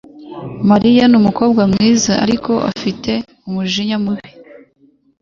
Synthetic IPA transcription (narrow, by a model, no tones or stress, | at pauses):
maɾijanumuko̞ːb̚ɡwamŋiːzaʔa̰ɾiko̞ʔa̰fite̞ | umuʒiɲamuβi̥